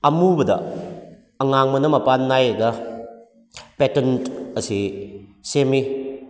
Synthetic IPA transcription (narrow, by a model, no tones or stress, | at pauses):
ɐmubɐdɐ̰ | ɐŋaŋmɐnɐmɐpanːajɐɡɐ | petentɐsisemi